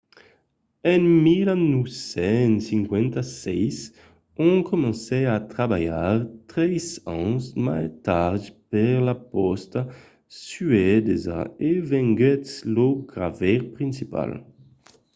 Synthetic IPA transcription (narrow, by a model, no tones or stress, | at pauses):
ɛ̃ŋmilanusɛ̃nsĩŋkwɛ̃nt̪asɛjs | õŋkʰomẽsɛat̪ɾabajaɾt̪ɾɛjsãnsmajt̪aɾd͡ʒipɛʁlapɔst̪a | syɛd̪eza̰evɛ̃ŋɡɛt̪sloɡɾa̰vɛɾpɾĩnsipa̰l